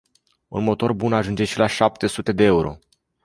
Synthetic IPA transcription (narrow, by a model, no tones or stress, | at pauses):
unmo̞t̪o̞rbunaʒund͡ʒe̞ʃilaʃap̚t̪e̞sut̪e̞d̪e̞euɾo̞̰